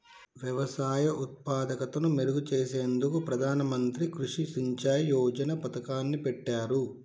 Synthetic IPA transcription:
ʋjɐʋɐsaːjɐʔut̪̚paːd̪ɐkɐt̪ɐnumeɾuɡut͡ʃeːseːnd̪ukupɾɐd̪ʱaːnɐmɐnt̪ɾikɾuʂisiɲt͡ʃaːjjɔːd͡ʒɐnɐpɐt̪ɐkaːnːipɛʈːaːɾu

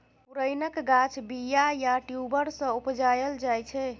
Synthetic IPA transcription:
puɾəjnəkɡat͡ʃʰbijajaʈjubəɾsə̃upd͡ʒajəld͡ʒajt͡ʃʰɛ

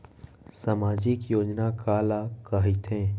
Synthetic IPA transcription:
samaːd͡ʒɪkjoːd͡ʒnakaːlakaːɦit̪ʰẽː

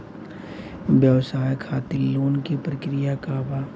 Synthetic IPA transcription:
ʋjɐʋsaːjkʰaːt̪iloːnkipɾəkɾijakabaː

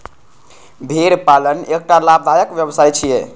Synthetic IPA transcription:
bʱeɾpalənek̚ʈalab̚d̪ʱajəkʋjəbsajt͡ʃʰije

